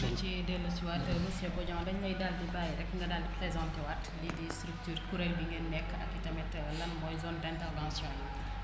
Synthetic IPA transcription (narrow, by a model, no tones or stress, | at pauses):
dɐnt͡ʃidɛlːɐt͡ʃiwatːəmusɛbɔɟɔ̃ŋdɐɲɲɐjdaldibajiɾɛk̚ːŋɡɐdaːldiplɛzãntɛwɐtlidistɾuk̚tyːrkuɾɛlbiŋɡenːɛkːɐ̰kːitɐmɛt | lɐnmɔjzɔndɛ̃ntɛrvãnsjɔ̃ːjɛ